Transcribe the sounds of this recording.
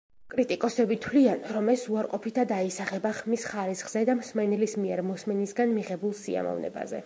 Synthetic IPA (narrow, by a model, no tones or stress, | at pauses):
kʼɾit̪ʼikʼɔsɛbit̪ʰwlianɾɔmɛsuaɾqʼɔpʰit̪ʰad̪aisaχɛbaχmisχaɾisχz̥ɛd̪amsmɛnɛlismiɛɾmɔsmɛnisɡanmiʁɛbulˠsia̰mɔ̰vnɛ̰ba̰zɛ̰